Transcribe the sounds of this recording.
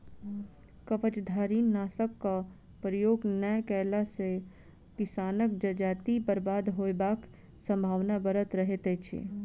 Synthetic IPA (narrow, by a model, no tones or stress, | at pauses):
kəʋət͡ʃd̪ʱaːɾiːnːaːsəkːa | pɾəjoːɡnəjkɛːlase | kɪsaːnək̚d͡ʒəd͡ʒaːt̪ibəɾbaːd̪ɦoːbaːk | sə̃mbʱaːʋnabəɾət̪ɾəɦet̪et͡ʃʰḛ